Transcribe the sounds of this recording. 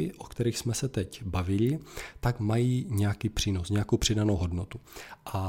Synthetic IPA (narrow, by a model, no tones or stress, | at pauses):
ɪʔokt̪ɛɾiːxsmɛsɛt̪ɛcbavɪlɪt̪akmajiːɲɛjakiːpr̝̥iːno̞sɲɛakowpr̥ɪdanowɦo̞dno̞t̪uʔa